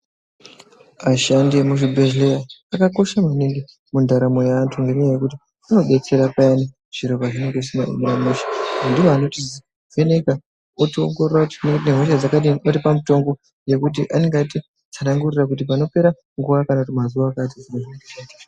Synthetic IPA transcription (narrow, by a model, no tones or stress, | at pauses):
aʃandimuʒibʱeʒlejaːkako̞ʃamaniŋɡi | mundaɾamo̞jaːntʰuŋɡeneajekuti | ano̞ɓe̞t͡se̞ɾapajani | ʐ̥iɾo̞βaʐine̞ŋɡeisina̰mnamuʃḁandiwoano̞ti | veneka | otio̰ŋɡororakutineɦoʃad͡zakaiotipamuto̞ŋɡo̞ | je̞kut̬iʔaneŋɡati | t͡sanaŋɡurirak̬ut̬ip̬ano̞pe̞ɾa | ŋɡuʋakanakutimazuʋaːkat̬iziɾaʐiet͡ʃetḁ